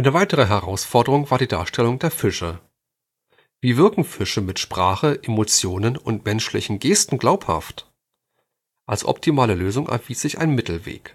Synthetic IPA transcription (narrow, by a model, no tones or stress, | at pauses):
ʔaɪnəvaɪtəʁ̞əɦɛʁa̰ʊsfɔɐdəʁʊŋvaːɐdiːda̰ːɐʃtʰɛlʊŋdeːɐfɪʃə | viːvɪɐkŋ̩fɪʃəmɪtʃpʁ̥aːχəʔemot͡sjoːnənʊntmɛnʃlɪ̰çn̩ɡeːstn̩ɡlaʊpha̰ft | ʔalsʔɔ̰p̚tʰimaːləløːzʊŋʔɛ̰ɐviːsz̥ɪça̰ɪnmɪtl̩vḛːk